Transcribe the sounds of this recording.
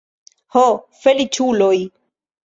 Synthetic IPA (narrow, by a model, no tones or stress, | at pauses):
ho | felit͡ʃuloj